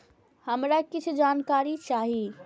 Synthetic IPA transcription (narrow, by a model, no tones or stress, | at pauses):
həmɾakit͡ʃʰud͡ʒankaɾit͡ʃaɦi